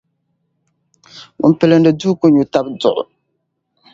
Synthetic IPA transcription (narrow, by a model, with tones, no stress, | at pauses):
ʊ̰˨m˨pɛ˨lɨ˨n˦dɨ˨du˦ko˦ɲu˨ta˦bdʊ˨ʔʊ̰˨